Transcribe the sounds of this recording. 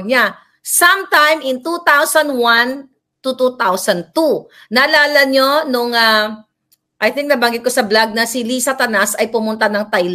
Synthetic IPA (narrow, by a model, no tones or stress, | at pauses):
ɲa | sɐ̃mt̪ãjmɪ̃nt̪ut̪awsɐnd̪wãn | t̪ut̪ut̪awsɐ̃nd̪̚t̪u | naːlaːlɐɲonʊŋa | ʔɐjθɪ̃ŋk̚nɐbaŋɡɪt̪̚kosɐblaɡ̚nɐsilisat̪ɐnasɐjpʊmʊnt̪anɐŋt̪ajl